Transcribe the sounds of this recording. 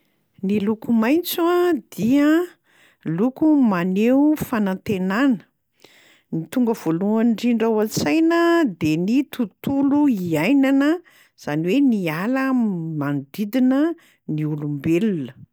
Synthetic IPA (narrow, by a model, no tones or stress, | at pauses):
nilukumajnt͡suad̪̥iə | lukumaneufanant̪enanə̥ | nit̪uŋɡəv̥oluanɖ͡ʐiɳɖ͡ʐawat͡sajnəd̪enit̪ut̪uluiajnanə | z̥aniwenialəmand̪id̪inə | niulumbelunə